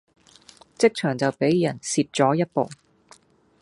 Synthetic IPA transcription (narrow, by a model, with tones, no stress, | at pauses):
t͡sɪ˥k̚t͡ʃʰœː˨˩ŋt͡sɐ˨wpe˨˥jjɐ˨˩nsiː˨p̚t͡sɔː˨˥jɐ˥t̚po̰˨w